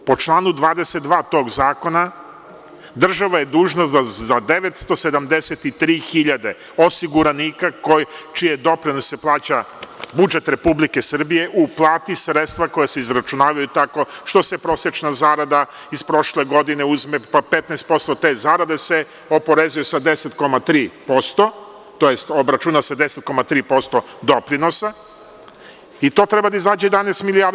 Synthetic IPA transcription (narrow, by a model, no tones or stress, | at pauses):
po̞t͡ʃlˠaːnud̪ʋaːd̪e̞set̪̚d̪ʋaːt̪o̞ːɡzaːko̞na | d̪r̩ʒaʋaje̞d̪uːʒnoazad̪eʋet̪st̪o̞se̞d̪amd̪eset̪it̪ɾiːxiʎad̪e | o̞siɡuɾaniːkakojt͡ʃijed̪o̞pɾinosːeplˠaːt͡ɕa | bud͡ʒe̞t̪ɾe̞publike̞sr̩bije̞ʔuplˠaːt̪isɾet̪st̪ʋako̞jeseizɾat͡ʃunaːʋajut̪ako̞ʃt̪o̞sepɾo̞sjet͡ʃnazaːɾad̪a | ispɾo̞ʃle̞ɡo̞d̪ineuzmepapet̪nɛest̪̚po̞st̪o̞t̪ezaːɾad̪ese̞ | o̞po̞ɾezujusad̪eset̪ko̞mat̪ɾiːpo̞st̪o̞ | t̪o̞jest̪obɾat͡ʃunased̪eset̪̚ko̞mat̪ɾiːpo̞st̪o | d̪opɾino̞sa | it̪o̞t̪ɾebad̪aizaːd͡ʑejed̪anest̪miliaɾ